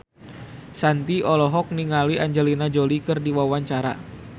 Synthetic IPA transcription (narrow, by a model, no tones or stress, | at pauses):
sant̪iʔɔlɔɦɔk̚niŋaliʔaɲd͡ʒəlinad͡ʒolikɨrdiwawaɲt͡ʃaɾa̰